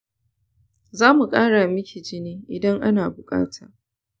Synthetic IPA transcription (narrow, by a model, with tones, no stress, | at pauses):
zaː˦mu˨kʼaː˦ɽa˨mɪ˦kʲʰi˨d͡ʒɪ˦niː˦ʔɪ˨dɐ˦ŋʔa˦naː˨bʊ˨kʼa̰ː˦tʰaː˨